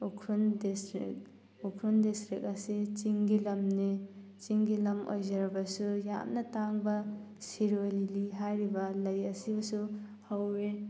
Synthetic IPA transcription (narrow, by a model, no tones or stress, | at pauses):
ukʰɾundisɾḭk̚ | ukʰɾundistɾik̚ɐsit͡ʃiŋɡilɐmne | t͡ʃiŋɡilɐmʔo̰jzɐɾbɐsuja̰mnɐtaŋbɐ | siɾoliliɦajɾibɐlɐjɐsibɐsu | hɐwɾe